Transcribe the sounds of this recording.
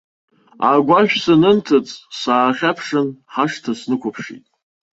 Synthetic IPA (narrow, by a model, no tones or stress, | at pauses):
aɡʷaʒᶣsanɨntʰɨt͡sʼsaːχʲapʰʂɨnħaʂtʰasnɨkʷʊpʰʂḭtʼ